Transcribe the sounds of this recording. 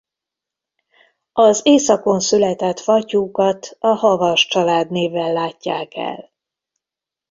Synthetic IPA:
ɒzeːsɒko̞nsylɛt̪ɛt̪fɒcuːkɒt̪ɒhɒvɒʃt͡ʃɒlaːd̪neːvɛlːaːcːaːkɛ̰l

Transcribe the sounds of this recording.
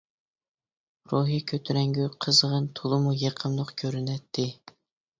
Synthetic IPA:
ɾuɦikʲʰøt̪ʰyɾɛŋɡʲyqʰəzʁənt̪ʰolˠɨmujeqʰəmlˠʊqkʲʰøɾynɛt̪ʰːɪ

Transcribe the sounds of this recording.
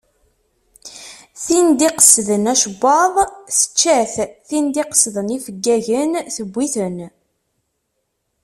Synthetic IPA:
θind̪iqə̥sðənæʃəbːɑðˤθə̥t͡ʃːæθθind̪iqə̥sðənifəɡːæʝənθəbʷːiθən

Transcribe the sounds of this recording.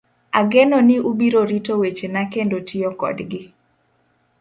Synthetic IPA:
aɡenɔnɪʔubiɾoɾitowet͡ʃenakendotɪɔkɔ̰dɡɪ

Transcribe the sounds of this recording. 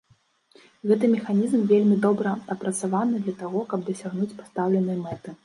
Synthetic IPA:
ɣɛt̪ɨmʲɛxanʲizmvʲelʲmʲid̪ɔbɾɐɐpɾɐt̪savanɨd̪lʲɐt̪aɣɔkɐb̚d̪ɐsʲaɣnut͡sʲpḁst̪awlʲɛn̪ɨjɐmɛt̪ɨ

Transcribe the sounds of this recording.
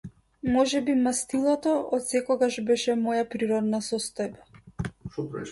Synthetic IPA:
mɔʒɛbimast̪ilˠɔt̪ɔʔɔt̪sɛkɔɡaʒbɛʃɛmɔjapɾiɾɔd̪nasɔst̪ɔjba

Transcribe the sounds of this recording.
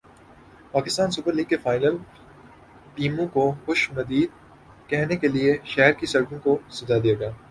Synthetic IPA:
paːkɪst̪aːnsʊpəɾliːɡ̚kefaːɪnəl | piːmõkoxʊʃnɐd̪iːd̪̚ | kɛɦnekelieʃɛɦɾkisɐɾkõkosɐzad̪ijaːɡaː

